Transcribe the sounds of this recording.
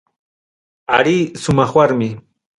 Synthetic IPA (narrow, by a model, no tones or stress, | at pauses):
aɾiːsʊmɑχwaɾmɪ